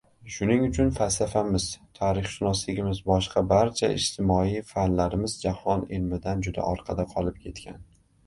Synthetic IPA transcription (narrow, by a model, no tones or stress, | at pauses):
ʃʊnɪŋʊt͡ʃʰʊnfalsafamɪz̥t̪ʰaɾɪχʃʊnɒslɪɡʲɪmɪzbɒʃqʰɑbaɾt͡ʃʰa̰ɪ̰ʃt̪ʰɪmɒijfanlaɾɪmɪzd͡ʒahɒnɪlmɪd̪and͡ʒʊd̪a̰ʔɒɾqʰɑd̪aqʰɒlˠɪp̚kʲʰe̞t̪kʲʰan